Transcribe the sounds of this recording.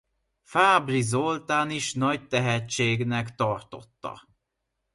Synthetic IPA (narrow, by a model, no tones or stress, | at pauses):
faːbrizo̞lt̪aːniʃnɒc̚t̪ɛɦɛt͡ʃːeːɡnɛkt̪ɒrt̪o̞̰t̪ːɒ̰